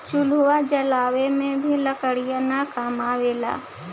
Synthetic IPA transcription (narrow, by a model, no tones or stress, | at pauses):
t͡ʃʊluwad͡ʒɐlaːwemẽbʱiləkəɽijanakaːmaʋeːla̰ː